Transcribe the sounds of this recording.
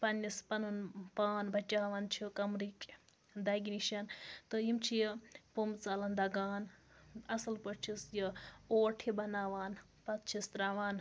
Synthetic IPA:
pɐnispɐnunpaːnbʱɐt͡ʃaːʋant͡ʃʰikɐmɾikʲ | d̪ɐɡʲiniʃɐnt̪ɨjimt͡ʃʰijəpumt͡saːlɐnd̪ɐɡaːnɐsɐlpɐt͡ʃʰisjioːʈʰibɐnaːʋaːn | pɐt̪̚t͡ʃʰist̪ɾaːʋaːn

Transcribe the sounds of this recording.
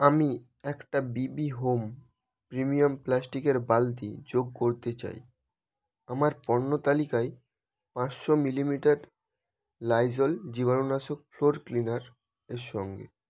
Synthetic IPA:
ami | ɛkʈabibiɦom | pɾimiomplasʈikeɾbalt̪id͡ʑoɡ̚koɾt̪et͡ɕa̰j | amaɾpɔnːot̪alikae | pãt͡ɕʃɔmilimiʈaɾ | lajd͡ʑold͡ʑibanonaʃok̚floɾklinaɾ | eɾʃɔŋɡḛ

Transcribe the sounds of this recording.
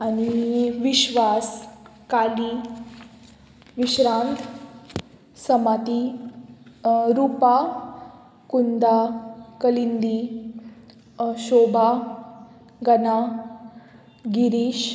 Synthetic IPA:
aniʋiɕʋaskali | ʋiɕɾãnt̪ʰ | səmat̪i | ɾupa | kund̪akəlind̪i | ɕoba | ɡəna | ɡiɾiɕ

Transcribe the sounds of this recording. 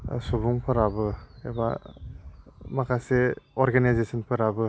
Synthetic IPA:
subuŋpʰɯɾabɯeba̰ | makʰaseɔɾɡanajzesɔnpʰɯɾabɯ

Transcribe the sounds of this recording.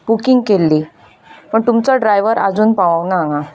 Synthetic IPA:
bukiŋɡkelːiː | pəɳt̪umt͡saɖɾajʋəɾad͡zuːnpaʋawnaŋa

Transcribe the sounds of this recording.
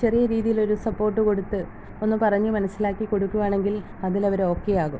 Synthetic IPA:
t͡ɕe̞rijɐɾiːðijilo̞ɾusɐpːo̞ːrʈːɨko̞ɽut̪ːɨ | o̞nːɨpɐrɐɲːumɐnɐsːilaːkːiko̞ɽukːuʋaːɳe̞ŋɡil | ɐðilɐʋɐɾo̞ːkːe̞jaːɣum

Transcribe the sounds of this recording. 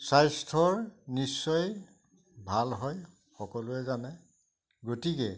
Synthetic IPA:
sajstʰɔɹnisːɔj | bʱalɦɔj | xɔkɔlʊɛzanɛ | ɡotikɛ

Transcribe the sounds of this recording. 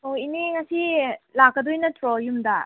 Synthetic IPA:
oiniŋɐsilak̚ːɐd̪ojnɐtɾojumda

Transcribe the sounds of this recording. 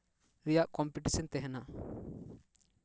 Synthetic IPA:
ɾijaʔkɔmpiʈisɔnt̪ɛɦɛna

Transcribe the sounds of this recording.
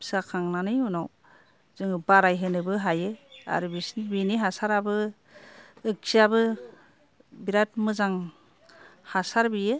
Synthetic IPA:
sakʰaŋnanɯjunaw | z̥ɯŋɯbaɾajɦɯnɯbɯɦajɯa̰ɾɯbisnbiniɦasaɾabɯ | ɯk̚siabɯ | biɾat̚mɯzaŋ | hasaɾbijɯ

